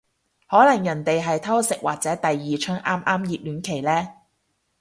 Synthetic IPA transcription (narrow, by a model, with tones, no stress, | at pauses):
hɔː˨˥lɐ˨˩ŋjɐ˨˩nt̪e˨jɦɐ˨jt̪ʰɐ˥wsɪ˨k̚wa̰ː˨k̚t͡sɛː˨˥t̪ɐ˨jːiː˨t͡ʃʰœː˥ŋʔaː˥mʔaː˥mjiː˨p̚lyː˨˥nkʰe˨˩jlɛː˥